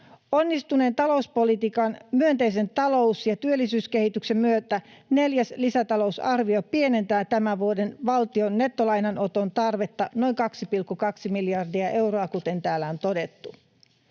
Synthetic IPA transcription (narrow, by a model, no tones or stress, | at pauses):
o̞nːist̪une̞ːnt̪ɑlo̞uspo̞lit̪iːkɑnmyø̞nt̪e̞js̬e̞nt̪ɑlo̞wsjɑt̪yølːisyːske̞hit̪ykse̞mːyøt̪æne̞ljæslisæt̪ɑlo̞usɑrʋiopie̞ne̞nt̪æːt̪æmæʋuo̞de̞nʋɑlt̪io̞nːe̞t̪ːo̞lɑjnɑno̞t̪o̞nt̪ɑrʋe̞t̪ːɑno̞jŋkɑksipilkːukɑksimiljɑrdiɑʔe̞wroɑkut̪e̞nt̪æːlːæont̪o̞de̞t̪ːu